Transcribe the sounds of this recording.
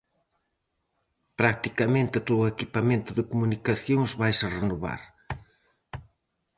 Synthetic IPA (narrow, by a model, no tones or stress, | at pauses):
pɾak̚t̪ikamẽnt̪ɪt̪oðʊekipamẽnt̪ʊðɪkumunikaθjoŋzβajsɐrenoβa̰ɾ